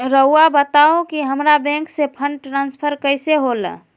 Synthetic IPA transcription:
ɾəuabət̪aõkiɦəmɾabɛ̃ŋksepʰəɳɖʈɾãnspʰəɾkəɪseɦolə̰

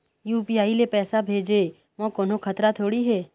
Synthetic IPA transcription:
juːpiaːilepɛːsabʱeːd͡ʒe | ʋɔ̃kɔːnokʰɐt̪ɾat̪ʰoːɽiɦɛː

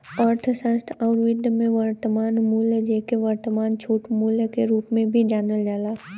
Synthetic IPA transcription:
ɔːɾt̪ʰəsə̃st̪ʰɔːɾʋɪd̪ʱmẽʋəɾt̪əmaːnmuːləd͡ʒeːkeʋəɾt̪əmaːnt͡ʃʰuːʈmuːljəkeɾuːpmẽbʱid͡ʒaːnəld͡ʒaːlaː

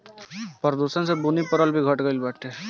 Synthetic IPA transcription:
pəɾd̪uːʃənsebunipəɾəlbʱiɡʱɐʈɡəlbɐʈʰeː

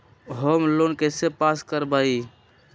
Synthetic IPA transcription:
ɦəmlonkesepaskəɾbai

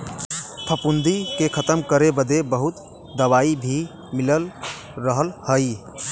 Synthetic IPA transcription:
pʰəpund̪ikekʰət̪əmkəɾebəd̪ebəɦut̪ | d̪əwaibʱi | miləl | ɾəɦəlhəj

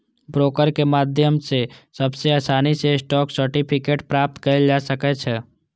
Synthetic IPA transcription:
bɾoːkəɾkemaːd̪ʱjəmsesɐbseaːsaːnisesʈɔːksəɾʈipʰɪkeːʈpɾaːp̚t̪kɐɾd͡ʒaːsɐkɛt͡ʃʰɛː

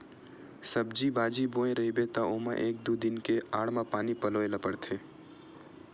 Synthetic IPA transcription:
sɐbd͡ʒibaːd͡ʒibõːẽɾɐɦibet̪aoːma̰ʔeːk̚d̪ud̪ɪnkeaːɽmãpaːnipɐloːelɐpəɽt̪ʰeː

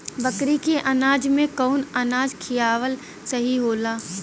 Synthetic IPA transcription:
bɐkɾikeʔɐnaːd͡ʒmẽkɔːnɐnaːd͡ʒkʰijaːʋəl | sɐɦiɦoːlaː

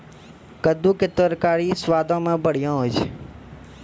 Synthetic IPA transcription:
kəd̪ũːket̪əɾkaːɾisʋaːd̪ʱõːmãːbəɽ̤jõːɦod͡ʒe

